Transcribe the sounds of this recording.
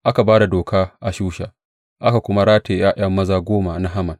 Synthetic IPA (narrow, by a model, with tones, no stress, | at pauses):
ʔa˦ka˨baː˦da˨doː˨kaː˦ʔa˨ʃuː˦ʃa˨ | ʔa˦ka˨kʷʊ˦ma˦ɽaː˦teː˨jaː˦ʔɐ˦mːɐ˦zaː˨ɡʷoː˦ma˨na˦ɦa˦mɐ˨n